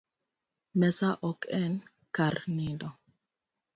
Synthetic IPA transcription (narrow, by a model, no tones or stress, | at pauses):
mɛsaʔɔkɛn | kaɾnidɔ